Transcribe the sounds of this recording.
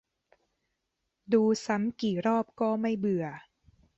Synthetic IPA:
duː˧sa˦˥mkiː˨˩ɾɔː˥˩p̚kɔː˥˩ma˥˩jbɯ˨˩ɐ

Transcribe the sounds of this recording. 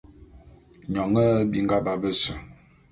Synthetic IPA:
ɲɔ˨ŋə˦bi˦ŋ̩˦ɡa˦ba˦bə˦sə˨

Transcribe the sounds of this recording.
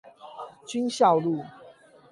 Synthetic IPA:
t͡ɕy˦nɕjɑ˥˨ʊlu˥˨

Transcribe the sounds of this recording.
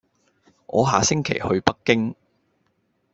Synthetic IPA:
ʔɔ̰ː˨˧ɦaː˨˧sɪ˥ŋkʰḛ˨˩jhɵ˧ɥpɐ˥kːɪ˥ŋ

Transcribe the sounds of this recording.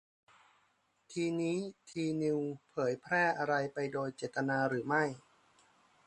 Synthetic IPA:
t̪ʰiː˧niː˦˥t̪ʰiː˧ni˧wpʰɤː˩˦jpʰɾɛː˥˩ʔa˧ɾa˧jpa˧jdoː˧jt͡ɕeː˨˩t̪ːa˧naː˧ɾɯː˩˦ma˥˩j

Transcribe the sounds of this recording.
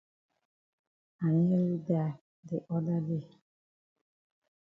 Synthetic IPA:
a˨ni˦e˦ɾi˦ba˨ | dɪ˨ʔɔ˦da˦de˦˨

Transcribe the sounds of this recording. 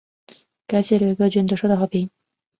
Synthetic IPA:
ka˨˩nɕjɛ˥˩ljo˨˩˧ɤ˥˧t͡ɕɥnt̪o˧˥ʂo˥˧d̪xɑ˥˩pʰi˧˥ŋ

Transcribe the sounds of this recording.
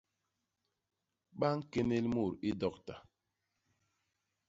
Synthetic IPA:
ɓa˦ŋ̩˦ke˦ne˦lmu˦˨ɾi˦dɔ˦k̚ta˨

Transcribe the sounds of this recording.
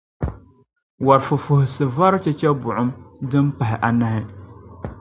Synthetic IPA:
wa˨ɾfʊ˨fʊ˨hʊ˨sɨ˨va˦ɾʊ˦t͡ʃɛ˦t͡ʃɛ˦bʊ˨ʔʊ˦mdɨ˦m˦pa˨ɦɪ˨ʔa˨na˦hɪ˦

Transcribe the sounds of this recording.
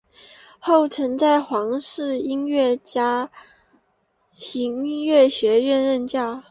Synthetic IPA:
xo˥˩ʊʈ͡ʂʰɤ˧˥ŋt͡sa˥˩ɪxwɑ˧˥ŋʂɻ̩˥˧i˥nɥɛ˥˩t͡ɕja˥ | i˧˥ŋɥɛ˥˩ɕɥɛ˧˥ɥɛ˥˧nɻə˥˧nt͡ɕja˥˩

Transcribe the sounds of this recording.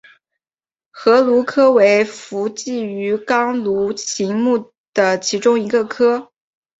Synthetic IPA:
xɤ˧˥lu˧˥kʰɤ˥we˧˥ɪfu˧˥t͡ɕi˥˩y˧˥kɑ˥ŋlu˧˥t͡ɕʰi˧˥ŋmu˥˩ | d̪̥ə˩t͡ɕʰi˧˥ʈ͡ʂʊ˥ŋi˧˥ɡə˧kʰɤ˥

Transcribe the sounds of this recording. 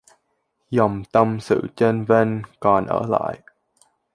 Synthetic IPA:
zɔ˨˩wŋ͡mt̪ə˧msɨ̰˧˨t͡ɕe˧nve˧nkɔ˨˩nʔə̰ː˧˩la̰ː˧˨j

